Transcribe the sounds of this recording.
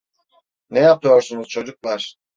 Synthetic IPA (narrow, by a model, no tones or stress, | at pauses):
nɛjap̚t̪ʰɯjo̞ɾsunuz̥t͡ʃʰo̞d͡ʒuk̚lˠaɾ̥